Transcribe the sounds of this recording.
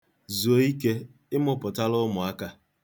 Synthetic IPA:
zu˨o˨˦i˦ke˦ | ɪ˦mʊ˦pʊ˨ta˦lʊ˦mʊ˨a˦ka˦

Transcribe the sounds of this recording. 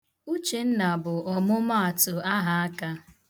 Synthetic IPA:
u˦t͡ʃe˨n̩˦na˨bʊ˨ɔ˨mʊ˦ma˦a˨tʊ˨a˦ɦa˦a˦ka˦

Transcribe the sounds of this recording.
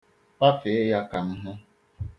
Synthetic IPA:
pa˦fe˨e˦ja˦ka˨m̩˦ɦʊ˦

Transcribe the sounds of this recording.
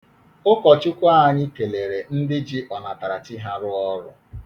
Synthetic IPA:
ʊ˦kɔ˨t͡ʃʊ˦kʷa˦a˨ɲɪ˦ke˨le˨ɾe˨n̩˦dɪ˦d͡ʒi˦ʔɔ˨na˨ta˨ɾa˨tɪ˦ɦa˦ɾʊ˦ɔ˦ɾʊ̰˦

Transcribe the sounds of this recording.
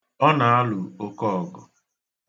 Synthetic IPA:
ɔ˦na˨a˦lʊ˨o˦kɔ˦˨ɡɔ˨

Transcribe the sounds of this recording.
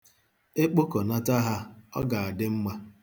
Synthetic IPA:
e˦k͡po˦ko˨na˦ta˦ɦa˦ɔ̰˦ɡa˨a˨dɪ˦m̩˦ma˦

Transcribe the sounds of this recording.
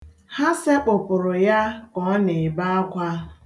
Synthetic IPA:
ha˦se˦k͡pʊ˨pʊ˨ɾʊ˨ja˦kɔ˨˦ne˨ba˦a˦kʷa˦

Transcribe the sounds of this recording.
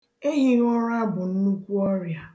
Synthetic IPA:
e˦ɦi˦ɣɔ˦ɾa˦bʊ˨n̩˦nu˦kʷu˦ɔ˦ɾja˨

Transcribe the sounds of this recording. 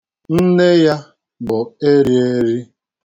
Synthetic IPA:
n̩˦ne˦ja˦ | bʊ˨e˦ɾi˦e˦ɾi˦

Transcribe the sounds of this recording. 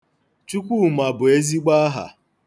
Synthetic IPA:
t͡ʃu˦kʷu˦ma˨bʊ˨e˦zi˦ɡ͡ba˦ɦa̰˨

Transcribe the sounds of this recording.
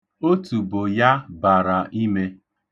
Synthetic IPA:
o˦tu˨bʊ˨ja˦ba˨ɾa˨ʔi˦me˦

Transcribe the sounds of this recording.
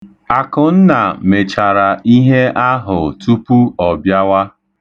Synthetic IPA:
a˨kʊ˨n̩˦na˨me˨t͡ʃa˨ɾa˨ʔi˦ɦe˦a˦ɦʊ˨tu˦pu˦ɔ˨bja˦wa˦

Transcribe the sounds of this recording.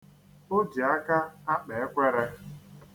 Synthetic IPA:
o˦di˨a˦ka˦a˦k͡pe˨e˦kʷe˦ɾe˦

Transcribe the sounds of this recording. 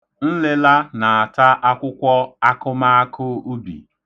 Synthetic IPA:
n̩˦le˦la˦na˨a˨ta˦ʔa˦kʷʊ˦kʷɔ˦a˦kʊ˦ma˦a˦kʰʊ˦u˦bḭ˨

